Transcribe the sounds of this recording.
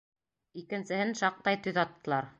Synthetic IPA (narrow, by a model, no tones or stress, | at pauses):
ikɘ̆nsɘ̆hɘnʃɑq̚t̪ɑjt̪ɵðɑt̪ːɤ̆lˠɑɾ